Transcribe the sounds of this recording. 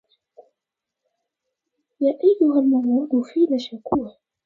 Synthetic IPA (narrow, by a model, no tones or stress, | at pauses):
jaːʔajːʊɦalmʊmːʊɾʊfiːlaʃakuːh